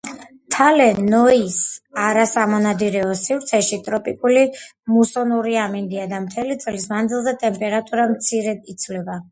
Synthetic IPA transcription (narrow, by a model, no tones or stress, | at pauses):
t̪ʰalɛnɔisaɾasamɔnad̪iɾɛɔsivɾt̪sʰɛʃit̪ʼɾɔpʼikʼulimusɔnuɾiamind̪iad̪amt̪ʰɛlit̪sʼlismand̪zilˠzɛt̪ʼɛmpʼɛɾat̪ʼuɾamt̪sʰiɾɛd̪it̪sʰvlɛba